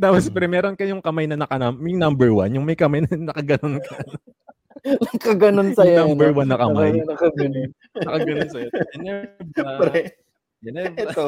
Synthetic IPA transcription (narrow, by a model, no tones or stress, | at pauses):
d̪aːpɐspɛɾɛmɛːɾonkɐjʊŋkɐmajnɐnɐkɐnammŋnɐmbɛɹwa̰njʊŋmɐjkɐmajnɐnɐkɐɡɐnonkʰɐ | nɐkɐɡɐnonsɐjŋnambɛɹwanːɐkɐmajjnɐkɐɡɐnon | nɐkɐɡɐnonsɐjoɛnɛbɾɛ | ɛnɛɛt̪o